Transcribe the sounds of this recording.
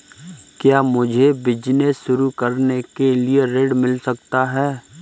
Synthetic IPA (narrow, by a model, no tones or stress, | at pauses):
kjaːmʊd͡ʒʱebɪd͡ʒnesʃʊɾukɐɾnekelieɾeɖmɪlsɐkt̪aɦɛː